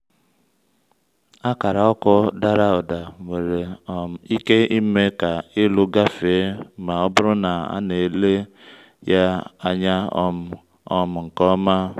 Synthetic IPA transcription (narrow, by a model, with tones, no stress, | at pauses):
a˦ka˨ɾa˨ɔ˦kʊ˦da˦ɾa˦ɔ˨da˨ŋʷe˨ɾe˨ɔ˨m̩˨i˦ke˦i˦me˦ka˨ɪ˦lʊ˦ɡa˦fe˨˦ma˨ɔ˦bʊ˦ɾʊ˦na˨a̰˦ne˨le˦ | ja˦a˦ɲa˦ɔ̰˦ | ɔ˦m̩˨ŋ̩˨kɔ˦ma˦